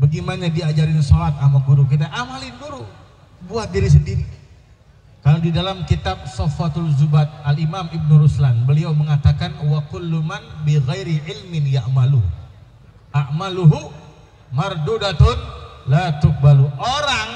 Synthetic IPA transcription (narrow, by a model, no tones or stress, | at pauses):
bəɡimanadiad͡ʒaɾɪnsɔlat̪̚amaɡuɾuk̬it̪̬aʔamalɪnɡuɾu | buat̪̚diɾis̬əndiɾi | kalodidalamkit̪ab̚sɔfat̪alzubat̪̚alimamib̚nuɾuslanbəliawməŋat̪akanwakʊlːumanbiɣɛjɾiʕɪlmɪnjaʔmalu | ʔaʔmaluɦu | mardudat̪ʊnlat̪ʊk̚baluoɾaŋ